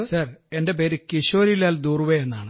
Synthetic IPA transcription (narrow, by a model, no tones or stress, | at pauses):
sɐre̞nde̞beːɾɨkiɕo̞ːɾilaːld̪uːrʋeenːaːɳɨ